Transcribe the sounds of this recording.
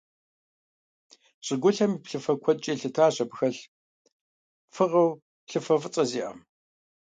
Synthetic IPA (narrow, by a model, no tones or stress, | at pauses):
ɕʼɪɡʷʊɬɐmiːpɬɨfɐkʷʰɔt͡ʃʼeːɬɨtʰaːɕɐpxɐɬ | fɨʁɐw | ɬɨfɐfɨt͡sʼɐziːʔɐ̰m